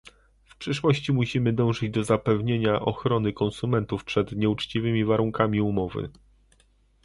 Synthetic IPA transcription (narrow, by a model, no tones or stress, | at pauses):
fpʂɘʂwɔɕt͡ɕimuɕimɘd̪ɔ̃w̃ʐɘd͡ʑd̪ɔzapɛvɲeɲaʔɔxɾɔnɘkɔnsumɛnt̪ufpʂɛd̪ɲɛut͡ʂt͡ɕivɘmʲivaɾuŋkamʲiumɔvɘ̰